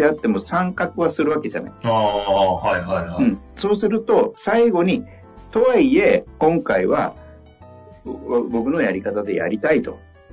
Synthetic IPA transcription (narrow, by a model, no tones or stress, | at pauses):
eat̪ːe̞mo̞sãŋkakɯ̟βasɨɾɯβake̞d͡ʑa̰na̰iahaiɦaaɯ̟̃ɴ | so̞ːsɨɾɯ̟t̪o̞saiɡo̞ɲ̟i | t̪o̞βaie̞kõ̞ŋkaiβa̰ | bo̞kɯ̟no̞jaɾʲikat̪ad̪e̞̰ja̰ɾʲit̪ait̪o̞̰